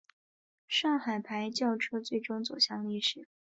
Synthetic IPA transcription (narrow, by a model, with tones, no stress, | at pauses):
ʂɑ˥˩ŋxa˨˩ɪpʰa˧˥ɪt͡ɕjɑ˥˩ʊʈ͡ʂʰɤ˥t͡swe˥˩ɪʈ͡ʂʊ˥ŋt͡so˨˩ʊɕjɑ˥˧ŋli˥˩ʂɻ̩˨˩˦